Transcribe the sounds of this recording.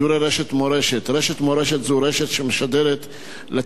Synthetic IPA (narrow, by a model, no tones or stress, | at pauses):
uɾeɾeʃet̪moɾeʃet̪ɾeʃet̪moɾeʃet̪zuɾeʃet̪ʃemeʃad̪eɾet̪ | le